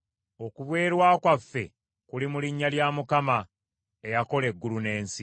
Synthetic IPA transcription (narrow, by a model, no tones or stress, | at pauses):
o̞kuβwe̞ːɾwaːkwafːe̞ | kulimuliɲːaljaːmukama | e̞jako̞le̞ɡːulune̞ːnsi